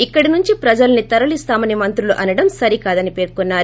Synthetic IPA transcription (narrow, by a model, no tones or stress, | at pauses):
ikːɐɽinuɲt͡ʃipɾɐd͡ʒɐlɐnit̪ɐɾɐlist̪aːmɐnimɐnt̪ɾuluʔɐnɐɽɐmsɐɾikaːd̪ɐnipe̞ːɾkunːaːɾu